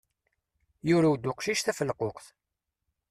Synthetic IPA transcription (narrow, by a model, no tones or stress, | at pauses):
jʊɾæwd̪ːʊqʃiʃθæfəlːqoqθ